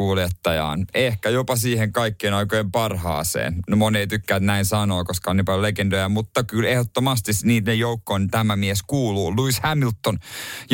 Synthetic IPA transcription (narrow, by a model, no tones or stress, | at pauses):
uːljet̪ːɑjɑ̰ːnehkæjopɑsiːheŋkɑikːeːnɑikojempɑrɦɑ̰ːsḛːnnomoneit̪ykːæːt̪næinsɑnoːkoskɑoniːpɑljolekend̪ojæmut̪ːɑkylehot̪ːomɑst̪isniːt̪nejjoukːont̪æmæmieskuːluːluishæmilt̪ːonj